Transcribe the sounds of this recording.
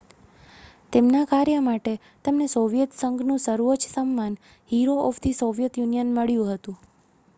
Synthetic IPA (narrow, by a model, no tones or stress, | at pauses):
t̪emnakaɾjəmaʈe | t̪əmnesoʋijət̪səŋɡnũsəɾuʋət͡ʃsəmːan | hiɾoɔfʰt̪ʰisoʋijət̪junijənməɭjũɦət̪ũ